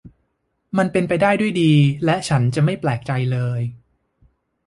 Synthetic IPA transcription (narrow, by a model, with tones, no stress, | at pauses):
ma˧npe˧npa˧jdaː˥˩jdu˥˩jdiː˧lɛ˦˥ʔt͡ɕʰa˦˥nt͡ɕa˨˩ma˥˩jplɛː˨˩k̚t͡ɕa˧jlɤː˧j